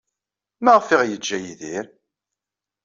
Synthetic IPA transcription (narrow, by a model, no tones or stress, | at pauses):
mæʁfiʁjəd͡ʒːæjiðiɾ